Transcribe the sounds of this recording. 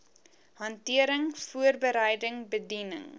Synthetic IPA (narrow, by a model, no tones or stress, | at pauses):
hɐntiəɾəŋfuərbəɾəjdəŋbədinə̰ŋ